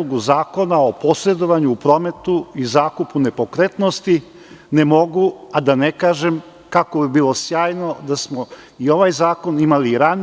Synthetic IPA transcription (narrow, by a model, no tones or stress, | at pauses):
uɡuzaːko̞nao̞po̞sɾe̞d̪o̞ʋaɲuːpɾo̞me̞t̪uizaːkupune̞pokɾet̪nost̪i | ne̞mo̞ɡuad̪anekaːʒem | kako̞bibiːlˠosjaːjno̞d̪asmo | io̞ʋajzaːko̞nimaliɾan